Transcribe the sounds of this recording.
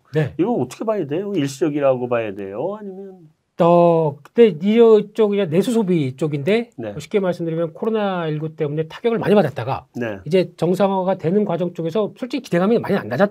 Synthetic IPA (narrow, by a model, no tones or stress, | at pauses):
neiɡʌnʌt͈ʰʌ̥kʰebajadejoiɭɕid͡ʑʌɡiɾaɡobaadḛjohaɲimjʌn | ʌkɯnde̞iʌt͡ɕ͈oɡid͡ʑane̞sʰusʰobit͡ɕ͈oɡinde̞neɕʰi̥k͈ʰiemaɭs͈ɯmdɯɾimjʌnkʰoɾonaiɭɡut͈e̞mune̞tʰḁɡjʌɡɯɭma̰ɲipadat̚t͈aɡa̰neid͡ʑe̞t͡ɕʌŋsʰaŋɦaɡatwe̞nɯnkwad͡ʑʌŋt͡ɕ͈oɡe̞sʰʌsʰʌɭt͡ɕ͈iki̥deŋɦamjʌnma̰ɲia̰nːad͡ʑa